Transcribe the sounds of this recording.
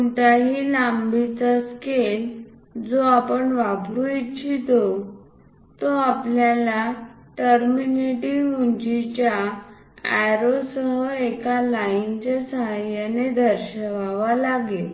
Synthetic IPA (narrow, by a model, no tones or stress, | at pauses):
uɳʈaɦilambit͡səskel | d͡zoapəɳʋabɾuit͡ɕʰit̪o | t̪oapljala | ʈəɾminiʈiuɲd͡ʑit͡ɕja | ajɾosəɦəekalaint͡ɕasəɦajaned̪ʱəɾɕəʋaʋalaɡel